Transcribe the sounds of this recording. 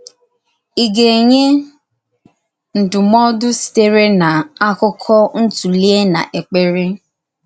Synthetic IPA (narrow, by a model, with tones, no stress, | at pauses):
i˨ɡe˨ɲe˦ | n̩˨dʊ˨mɔ˦dʊ˦si̥˨te˦ɾe˦na˨a˦kʊ˦kʰɔ˦n̩˦tu˨li˦e˦na̰˨ʔe˨k͡pe˦ɾe˦